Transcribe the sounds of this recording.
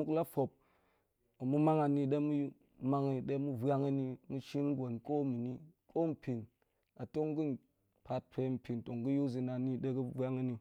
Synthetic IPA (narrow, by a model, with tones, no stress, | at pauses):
mu˦kla˦fo˨p̚ | a˨mu˦ma˦ŋa˨ni˨ɗe˦mu˦ju˦ | ma˦ŋi˨ɗe˦mu˦bʷja˦ŋɐ˦ni˦mu˦ʃi˦n˦ɡo˨nko˦mi˨ni˦kʰo˦m̩˨pʲi˨n | a˨to˦ŋ˦ɡu˦n˨ | pa˨t̚pʰe˧m̩˨pʲi˨nto˨ŋɡu˦ju˦zi˧na˨ni˦ɗe˦ɡɨ˦bʷa˦ŋɐ˦ni˧